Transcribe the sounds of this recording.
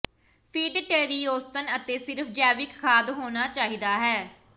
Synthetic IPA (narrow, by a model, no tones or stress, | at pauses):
pʰiːɖʈeːɾiːoːst̪ənət̪eːsɪɾfʰd͡ʒɛːʋɪkkʰaːd̪ɦoːnaːt͡ʃaːɦiːd̪aːɦɛː